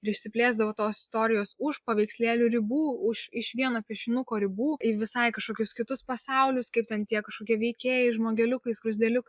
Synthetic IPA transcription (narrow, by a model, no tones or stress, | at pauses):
ɪɾɪʃʲsʲɪpʲlʲeːzd̪ɐʋoːt̪oːsɪst̪oːɾʲɪjoːsʊʃpɐʋʲɛɪksʲlʲeːlʲuɾʲɪbuːʊʃɪʃʋʲiɛnoːpʲiɛʃʲɪnʊkoːɾʲɪbuːiʋʲɪsɐɪkɐʃkoːkʲʊskʲɪt̪ʊspɐsɐʊlʲʊskɐɪp̚t̪ʲɛnt̪ʲiɛkɐʃkoːkʲiɛʋʲɛɪkʲeːjɛɪʒmoːɡʲɛlʲʊkɐɪsɡɾʊzʲd̪ʲɛlʲʊkɐ